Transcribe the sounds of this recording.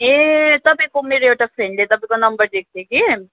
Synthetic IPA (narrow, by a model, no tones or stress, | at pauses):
et̪ɐbekomeːɾeoʈafɾɛ̃ɳɖleːt̪ɐbɪkonɐ̃mbəɾd̪eːk̚ʰd̪eki